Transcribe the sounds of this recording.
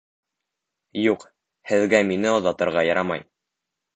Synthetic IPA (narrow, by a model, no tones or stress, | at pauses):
juq | hɘ̆ðɡæminɘŏðɑt̪ɤ̆ɾʁɑjɑɾɑmɑj